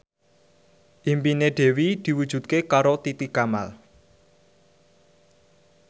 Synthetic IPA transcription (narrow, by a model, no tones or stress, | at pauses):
ʔimpineɖ̪̥e̤wid̪̥i̤wud̥ʒ̥ṳt̪̚kekaɾot̪it̪ikama̰l